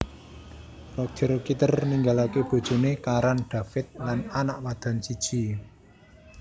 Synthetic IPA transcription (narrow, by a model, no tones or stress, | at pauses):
rɔk̚d̪̥əɾkit̪ərniŋɡalakeb̥o̤d̥ʒ̥o̤nekaɾanɖ̥a̤fɪt̪̚lananaʔpad̪̥a̤nsid̥ʒ̥i̤